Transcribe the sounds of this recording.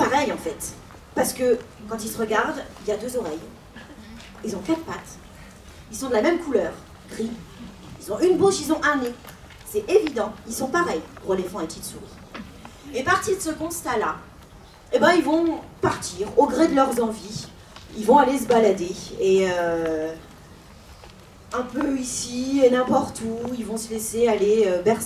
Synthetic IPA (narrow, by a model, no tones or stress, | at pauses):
paʁɛjɑ̃fɛt̪ | paʁsə̥kəkɑ̃t̪ilsəʁəɡaʁd̪iljad̪øzɔʁɛj | ilzɔ̃kat̪χpat̪ | ilsɔ̃d̪əlamɛmkulœːʁ | ɡʁi | ilzɔ̃ʔynbuʃilzɔ̃ʔane | sɛevid̪ɑ̃ilsɔ̃paʁɛjpuʁəlefɔ̃ɛpət̪it̪suʁi | epaʁt̪iʁd̪əsəkɔ̃st̪ala | ebɛ̃ilvɔ̃paʁt̪iːʁoɡʁed̪əlœʁzɑ̃vi | ilvɔ̃ales̬əbalad̪eeø | ɛ̃pøisienɛ̃pɔʁt̪uilvɔ̃səlesealeøbɛʁs